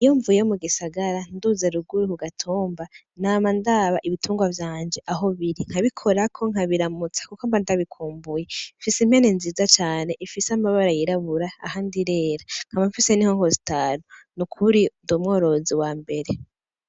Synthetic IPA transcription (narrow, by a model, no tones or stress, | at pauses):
ijoɱvujjomuɡisaɡaɾanduːzeɾuɡuɾihuɡatʰuːmba | naːmandaβaʔiβitʰuːŋɡwavjaːɲd͡ʒe̞ʔaɦo̞βiɾiŋ̥haβikʰo̞ɾakʰo̞ŋ̥aβiɾamut͡sḁkukambandaβikʰuːmbujefisemhe̞nenziːzat͡ʃaːne̞ʔifisambaβaɾajiɾaβuɾaa̰handiɾe̞ːɾaŋ̥amaɱfise̞nihoŋho̞si̥taːnunukʰuɾindomŋo̞ːɾo̞ziwaːmbe̞ɾe̞